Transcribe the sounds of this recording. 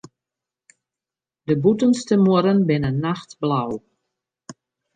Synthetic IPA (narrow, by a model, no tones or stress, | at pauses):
dəbutənstəmuəɾənbɪnənːaxtblaw